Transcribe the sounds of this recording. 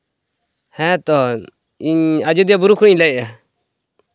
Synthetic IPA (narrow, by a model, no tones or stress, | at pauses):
hɛ̃t̪ɔ | iɲad͡ʒud̪ijabuɾukʰuɽiɲlɛʔa